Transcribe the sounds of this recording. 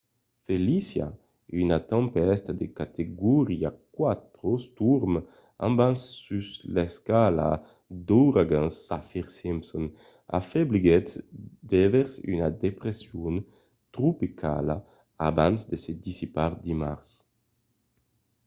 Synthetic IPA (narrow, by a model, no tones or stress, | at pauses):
felisja̰ | ynat̪ɑ̃mpɛst̪ad̪ekat̪ʰeɡuɾiakwat̪ɾost̪uɾm | ã̰mbansːysleskala̰ | d̪oɾaɡãnsːafiɾsimpson | a̰febliɡɛt̪d̪eveɾsy̰nad̪epɾesjun | t̪ɾupikʰa̰la | abansd̪esed̪isipaɾd̪ima̰ɾs